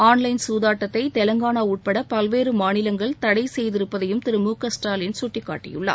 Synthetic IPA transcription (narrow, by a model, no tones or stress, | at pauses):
aːnlɐɪnsuːðaːʈːɐt̪ːɐɪt̪ɛlɐŋɡaːnaːuːʈ̚pɐɽɐpɐlʋeːɾɯmaːnɪlɐŋɡɐɭt̪ɐɽɐɪsɛjðɪɾɯpːɐðɐjɯmt̪ɪɾɯmuːkɐsʈaːlɪnsʊʈːɪkːa̰ːʈːɪ̰jɯ̰ɭːɐ̰ː